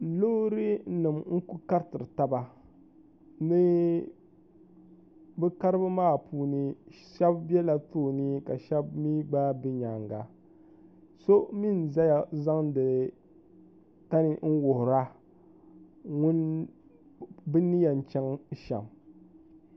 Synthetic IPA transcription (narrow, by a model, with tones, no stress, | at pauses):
lo˦ɾɨ˦nɨ˨mŋ̩˦ku˦ka˦ɾtɨ˨ɾɨ˨ta˦ba˨ | nɨ˦ | bɨ˦ka˦ɾɨ˦bɨ˦maː˦˨puː˦nɨ˨ | ʃɛ˦bbɛ˦la˨toː˦˨nɨ˦ka˨ʃɛ˦bmi˦ɡ͡ba˦bi˦ɲa˨ŋɡa˨ | so˦mi˦n˨za˦ja˨za˦ŋdɨ˨ | ta˦nɨ˦ŋ̩˦wʊ˨hʊ˨ɾa˦ | ŋʊ˦n | bɨ˦ni˦ja˨n˨t͡ʃɛ˦ŋ˦ʃɛ̰˨m